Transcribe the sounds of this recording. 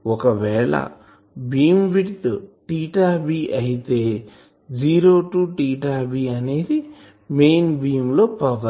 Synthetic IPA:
ɔkɐʋɛːɭɐ̰ | biːmʋiʈit̪uʈiːʈaːbiːʔɐjit̪eː | d͡ʒiːɾoːʈuːʈiːʈaːbiːɐne̞ːd̪i | mejnbiːmlo̞ːpɐʋɐ

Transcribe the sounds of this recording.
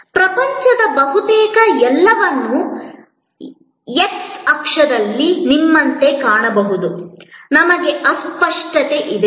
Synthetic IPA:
pɾɐpɐɲt͡ʃɐd̪ɐbɐɦut̪ɛːkɐɛlːɐʋɐnːu | eksɐkʂɐd̪ɐlːinimːɐnt̪e̞kaːɳɐbɐɦud̪unɐmɐɡe̞ʔɐspɐʂʈɐt̪e̞ʔid̪e

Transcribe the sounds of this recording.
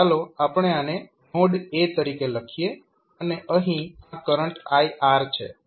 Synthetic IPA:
aloapəɳ̃eane | moɖet̪əɾikeləkʰije | əneʔəɦĩakəɾəɳʈajʔaɾt͡ʃʰḛ

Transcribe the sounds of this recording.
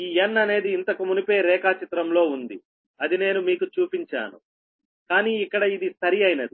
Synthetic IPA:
iːjɐnːɐne̞ːd̪iːnt̪ɐkumunipe̞ːɾɛːkaːt͡ʃit̪ɾɐmlo̞ːund̪i | ɐd̪ine̞ːnumiːkut͡ʃuːpiɲt͡ʃa̰ːnṵ | kaːniːikːɐɽɐid̪isʰɐɾiɐjnɐd̪i

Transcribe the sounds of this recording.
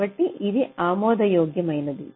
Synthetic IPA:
ɐʈːiʔid̪iaːmoːd̪ɐjoːɡjɐmɐjnɐd̪ḭ

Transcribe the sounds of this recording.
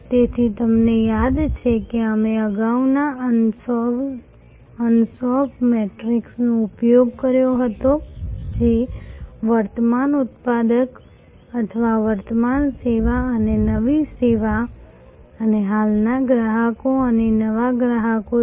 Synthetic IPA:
t̪eːt̪ʰit̪ɐmnejaːd̪t͡ʃʰekeamẽɐɡaunas | ənsɔːpmeːʈɾɪksneʊpjoːɡkəɾjoɦət̪od͡ʒeːʋəɾt̪əmaːnʊt̪̚paːd̪ək | ɐt̪ʰʋaʋəɾt̪əmaːnseːʋaənenɐʋiseːʋa | əneɦaːlnaɡɾaɦakoənenɐʋaɡɾaɦako

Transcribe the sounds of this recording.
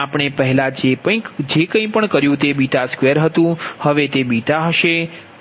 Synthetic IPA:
apɳ̃epəɦɛlad͡ʒepə̃ĩd͡ʒekə̃ĩpəɳkəɾjũt̪ebiʈ̪askʋeəɾɦət̪ũhəʋet̪ebiʈ̪aɦəʃe

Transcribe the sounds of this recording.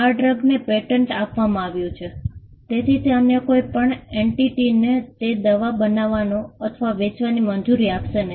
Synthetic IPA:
aɖɾəɡnepeʈəɳʈapʋamãaʋjũt͡ʃʰe | t̪et̪ʰit̪ʰeəmekoipəɳeɳʈiʈinet̪ed̪əʋabənaʋanõət̪ʰəʋaʋet͡ʃʋanimənd͡ʒuɾiapʃene

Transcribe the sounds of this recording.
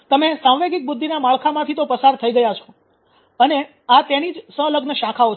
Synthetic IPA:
t̪əmesãwʋeɡik̚bʊd̪ʱːinamaɭkʰamãt̪ʰit̪opəsaɾt̪ʰəiɡəjat͡ʃʰo̥ | əne | at̪enid͡ʒsə̃ləɡnəʃãkʰao

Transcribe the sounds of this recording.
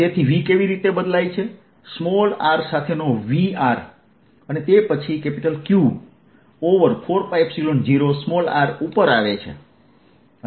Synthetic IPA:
t̪et̪ʰiʋikeʋiɾit̪ebəd̪lajt͡ʃʰe | smɔlaɾsat̪ʰenoʋiaɾ | ənet̪epət͡ʃʰikepiʈəlkju | oʋəɾfʰoɾfaibsilond͡ʒiɾosmɔla̰ɾupəɾaʋet͡ʃʰḛ

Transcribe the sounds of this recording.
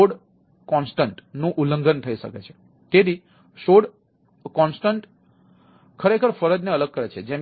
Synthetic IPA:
oɽ | kɔnsʈəɳʈnũʔuləŋɡənt̪ʰəiʃə̰ket͡ʃʰe̥ | t̪ed̪i | ʃoɽ | kɔnsʈəɳʈ | kʰəɾekʰəɾfəɾəd͡ʒneələɡ̚kəɾet͡ʃʰed͡ʒem

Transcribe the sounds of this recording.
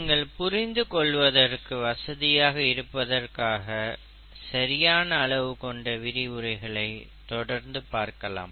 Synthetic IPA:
ŋɡɐɭpʊɾɪnd̪ɯkɔɭːʋɐðɐrkɯʋɐsɐðɪjaːɣɐɪɾɯpːɐðɐrkaːɣɐ | sɐɾɪjaːnɐːɭɐʋɯkɔɳɖɐʋɪɾɪɯɾɐɪɣɐɭɐɪt̪ɔɽɐɾnd̪ɯpaːɾkɐla̰ːm

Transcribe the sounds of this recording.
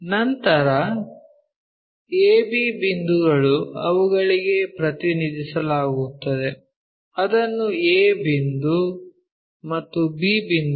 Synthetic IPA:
nɐnt̪ɐɾɐ | eːbibind̪uɡɐɭuɐ̰ʋuɡɐɭiɡe̞pɾɐt̪inid̪isɐlaːɡut̪ːɐd̪e̞ | ɐd̪ɐnːueːbind̪u | mɐt̪ːubiːbind̪u

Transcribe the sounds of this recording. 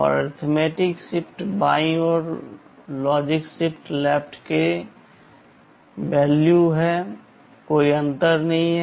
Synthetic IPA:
ɔ̰ːɾɔ̰ɾt̪ʰmeːʈɪksɪpʰʈbaːĩɔːɾ | lɔːd͡ʒɪksɪpʰʈlɛːp̚ʈke | bɛːljuɦɛ | koːiɐ̃nt̪əɾnɐɦĩɦɛ

